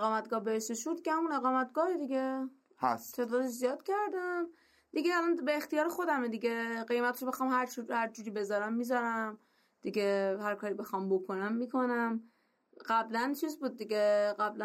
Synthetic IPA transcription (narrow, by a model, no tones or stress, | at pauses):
eɣɒːmæt̪ɡɒːhbeeʃt̪eʃud̪icehæmune̞ɣɒːmæt̪ɡ̥ɒːhed̪iɡe | hæ̰st̪ʰeːd̪ɒːd̪eʃzijɒːd̪̥cʰæɾd̪æm | d̪̥iɡeːlɒnbeːxt̪ijɒːɾexo̞d̪æmed̪iɡeɢejmæt̪ɾobe̞xɒːmhæɾt͡ʃʰuhæɾd͡ʒuːɾiːbe̞zɒːɾæmːizɒɾæm | d̪̥iɡehæɾkʰɒːɾiːbe̞xɒmbokʰo̞næmːikʰonæm | ɢæblænt͡ʃʰiːzbuːd̪̚ːiɟeɢæblæ